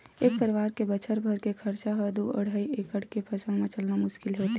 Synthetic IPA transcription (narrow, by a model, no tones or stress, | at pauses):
eːk̚pəɾɪʋaːɾkebət͡ʃʰəɾbʱəɾkekʰəɾt͡ʃaɦəd̪uə̰ɽ̤ʱaːiʔeːkəɽkepʰɐsə̃mẽt͡ʃəlnamʊʃkɪlɦoːt̪